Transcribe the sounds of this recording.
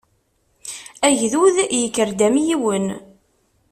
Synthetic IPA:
æʝðuðjəkːəɾd̪æmjiwən

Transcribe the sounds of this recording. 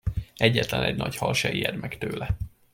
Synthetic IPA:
ɛɟːɛt̪lɛnɛɟnɒchɒlʃɛiɛd̪mɛkt̪øːlɛ

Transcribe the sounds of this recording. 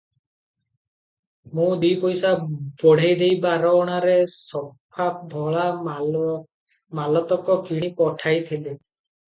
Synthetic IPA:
mũd̪ipɔjsabɔɽ̤ajd̪ejbaɾɔɽ̃aɾesɔpʰap̚d̪ʱɔɭa | malɔt̪ɔkɔkiɽ̃ipɔʈʰajt̪ʰile

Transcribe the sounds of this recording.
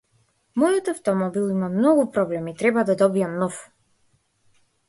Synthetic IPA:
mɔjɔt̪aft̪ɔmɔbilˠimamnɔɡupɾɔblɛmit̪ɾɛbad̪ad̪ɔbiamnɔf

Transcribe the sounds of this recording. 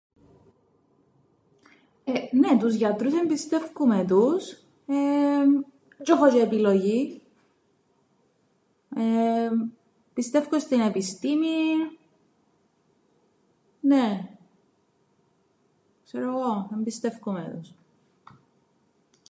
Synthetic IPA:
enet̪uzʝɐt̪ɾuse̞mbist̪e̞fkumet̪̬us | e | d͡ʒoxot͡ʃiepiloʝi | e | pist̪e̞fkost̪ine̞pist̪imi | ne | kseɾoɣoembist̪e̞fkumḛt̪us

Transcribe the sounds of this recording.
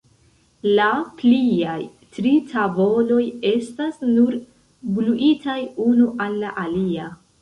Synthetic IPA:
lapliaj | tɾitʰabo̞lo̞je̞stasnuɾ | bluʔitʰajunuʔalːaʔalia

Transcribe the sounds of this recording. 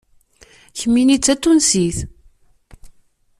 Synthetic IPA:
çəmːinit͡sːæt̪ːunsiθ

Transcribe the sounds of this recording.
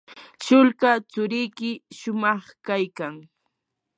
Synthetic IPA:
t͡ʃʊlkat͡sʊɾɪjkɪʃʊmɑχkajkaŋ

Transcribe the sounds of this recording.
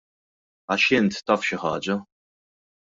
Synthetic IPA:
ɐʃɪnt̪ːɐːfʃɪħɐ̰ːd͡ʒɐ

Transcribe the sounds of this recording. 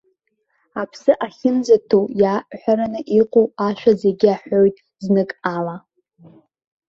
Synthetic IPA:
apʰsɨʔaχʲɪmd͡zatʰowjaʔħʷᶣaɾanɨʔiqʷʼowaʃʷᶣazeɡʲɪaħojtʼ | znɨkʼala

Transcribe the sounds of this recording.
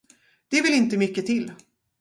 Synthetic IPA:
d̪̥ɛvɪlɪnt̪əmʏkːət̪ʰɪlː

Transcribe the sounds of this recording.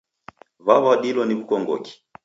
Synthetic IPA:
βaβaɗilɔniβukɔŋɡɔ̰ki̥

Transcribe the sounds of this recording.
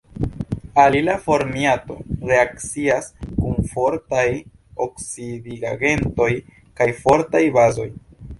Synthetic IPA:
alilafo̞ɾmiato̞ɾe̞akt͡siaskunfo̞ɾtaj | oksidiɡaɡe̞nto̞j | kajfo̞ɾtajbazo̞j

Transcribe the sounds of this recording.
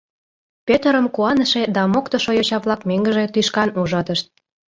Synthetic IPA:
pʲet̪əɾə̆mkuɑnə̆ʃed̪ɑmokt̪oʃojot͡ɕɑβlɑkmeŋɡə̆ʒet̪yʃkɑnuʒɑt̪əʃt̪̚

